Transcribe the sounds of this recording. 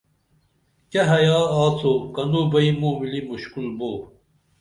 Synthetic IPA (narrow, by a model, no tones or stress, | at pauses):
kɐɦɐjaːaːt͡sokɐnoːbɐimũːmilimuɕkulmoː